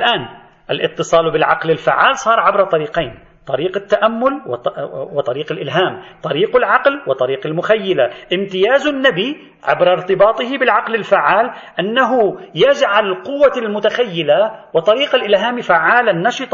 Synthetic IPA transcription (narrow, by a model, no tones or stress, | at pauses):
ʔalʔaːn | ʔalʔɪt̪ːɨsˤɑːlbɪlʕaqlɪlfaʕːaːlsˤɑːɾˤʕabɾɑt̪ˤɑɾiːqejːn | t̪ˤɑɾiːqɪt̪ːaʔamːʊlwwɪt̪ˤɑɾiːqalʔɪlɦaːmt̪ˤɑɾiːqalʕɑqlwɪt̪ˤɑɾiːqalmʊxajːɪlaʔɪmt̪ɪjaːzʊnːabi | ʕa̰bɾaɾt̪ɪbɑːt̪ˤɨhɪbɪlʕɑqlɪlfaʕːaːlʔanːaɦʊjad͡ʒʕalɪlqʊwːalmʊt̪axajːɪlawɪt̪ˤɑɾiːqalʔɪlɦaːmifaʕːaːlanːɑʃɨt̪ˤɑ